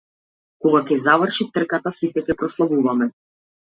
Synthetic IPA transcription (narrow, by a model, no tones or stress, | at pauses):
kɔɡakɛzavrʃit̪r̩kat̪asit̪ɛkʲɛpɾɔslˠavuvamɛ